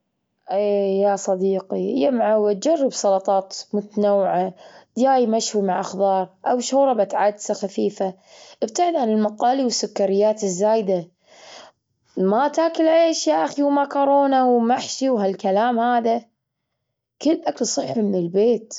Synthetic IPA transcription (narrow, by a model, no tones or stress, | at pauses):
ʔeːjasˤɑd̪iːqijamʕawat̪̚d͡ʒarːɑbsˤɑlɑt̪ˤɑːt̪mʊt̪nawːʕat̪jaːjmaʃwimaʕʔaxðɑːɾˤʔawʃuːɾˤɑbat̪ʕad̪saxafiːfa | ʔɪb̚t̪aʕɪd̪ʕanɪlmaqɑːliwɪsːʊkːaɾɪjːaːt̪ɪzːaːjd̪a | mat̪aːkɪlʕeːʃjaʔaxiwmakɑɾˤoːnawmaħʃiwɦalkalaːmhaːða | kɪlːʔakalsˤɨħːʊmnɪlbeːt̪